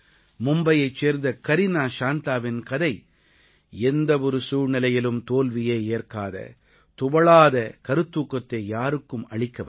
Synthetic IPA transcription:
mʊmbɐjɐɪt͡ʃt͡ʃːeːɾnd̪ɐkɐɾɪnaːʂaːnt̪aːʋɪnkɐðɐɪ | ɛnd̪ɐɔɾɯsuːɾnɪlɐjɪlɯmt̪oːlʋɪjeːeːrkaːðɐ̰ | t̪ʊʋɐɭaːðɐkɐɾɯt̪ːuːkːɐt̪ːeːjaːɾɯkːɯmɐɭɪkːɐʋ

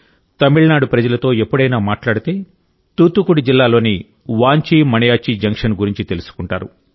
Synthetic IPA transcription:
t̪ɐmiɭnaːɽupɾɐd͡ʒɐlɐt̪o̞ːe̞pːuɽɐjnaːmaːʈlaːɽit̪e̞ː | t̪uːt̪ːukuɽid͡ʒilːaːlo̞ːni | ʋaːɲt͡ʃiːmɐnɐjaːt͡ʃid͡ʒɐŋkʂɐnɡuɾiɲt͡ʃit̪e̞lusu̥kuɳʈaːɾu

